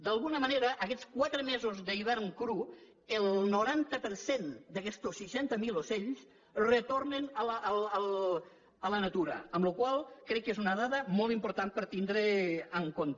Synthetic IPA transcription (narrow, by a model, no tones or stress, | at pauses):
d̪alˠɣunəməneɾəʔəkɛt͡skwat̪ɾəmɛzuzðəiβ̞ɛɾŋkɾu | əlˠnuɾant̪əpəɾsend̪əkɛst̪osːiʃɛnt̪əmiloseʎs | rət̪ornənəlːləl | ələnat̪uɾə̰əmlukwalˠkɾɛkːezunəðaðəmolˠt̪impuɾt̪an̚pəɾt̪ind̪ɾeəŋkont̪ə